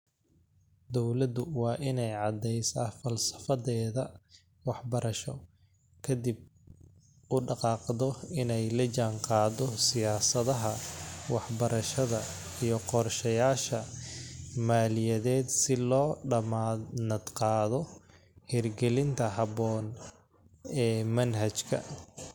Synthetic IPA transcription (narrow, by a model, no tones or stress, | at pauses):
d̪ɔwlɐd̪ʊwɑːʔɪnɛjʕɑd̪ːɛjsɐfɐlsɐ̥fɐðɛːðɐ | wɑħbɐɾɐʃɔ | kʰɐd̪ib̚ | ʊɖɑqɑːqðɔɪnɛjlɐd͡ʒaːŋqɑːd̪ɔsɪjaːsɐðɐɦɐwɑħbɐɾɐʃɐðɐ | ijɔqɔrʃɐjaːʃɐ | maːlɪjɐðɛːd̪sɪlɔːɖɐmanɐd̪qɑːðɔ | hɛrɡɛlɪnt̪ʰɐɦɑβɔːn | ɛːmɐnɦɐt͡ʃkʰɐ̰